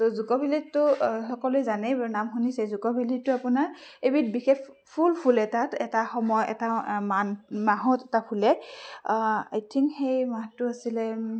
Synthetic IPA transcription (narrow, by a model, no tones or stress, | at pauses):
tɔzukɔbʱilitːʊsɔkɔlʊjzanɛbanamxunisɛzukɔbʱilitːʊapunaɹ | ejbitbixex | pʰulpʰulɛtatɛtaxɔmɔjɛ̰tamanmaɦɔtɛtapʰulɛ | a̰jtʰiŋkxejmatʊasilɛ